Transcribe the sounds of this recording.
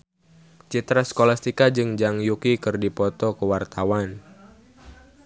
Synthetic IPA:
t͡ʃit̪ɾaskolast̪ikad͡ʒɨŋd͡ʒaŋjukikɨrdipɔt̪ɔkəwart̪awan

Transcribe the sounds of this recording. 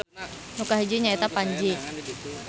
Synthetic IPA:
nukaɦid͡ʒeɲait̪apaɲd͡ʒe

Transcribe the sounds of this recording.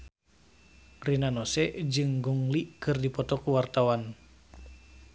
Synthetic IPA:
rinanɔsɛʔd͡ʒɨŋɡɔŋliʔkɨrdipɔt̪ɔkuwart̪awan

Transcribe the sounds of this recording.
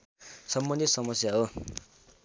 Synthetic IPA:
sʌmbʌnd̪ʱit̪sʌmʌsjaɦo

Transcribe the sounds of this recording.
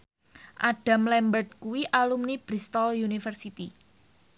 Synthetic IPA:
ʔaɖ̥a̤mlɛmbərt̪̚kuwiʔalumnib̥ɾist̪ɔljunifərsit̪i

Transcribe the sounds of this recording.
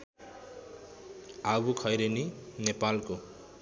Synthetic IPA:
abukʰʌjɾeninepalko

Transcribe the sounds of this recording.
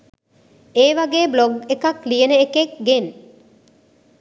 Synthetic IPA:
eːʋaɡeːbloɡekaklijənəekekɡen

